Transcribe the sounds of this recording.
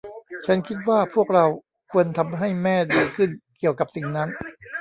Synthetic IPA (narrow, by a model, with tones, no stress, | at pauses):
t͡ɕʰa˦˥nkʰi˦˥t̪̚waː˥˩pʰu˥˩ək̚ɾa˧w | kʰu˧ənt̪ʰa˧mɦa˥˩jmɛː˥˩diː˧kʰɯ˥˩nki˨˩əwka˨˩p̚si˨˩ŋna˦˥n